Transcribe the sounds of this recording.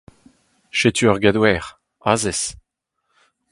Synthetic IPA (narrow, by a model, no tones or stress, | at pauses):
ʃet̪yœʁɡad̪wɛːʁ | azɛs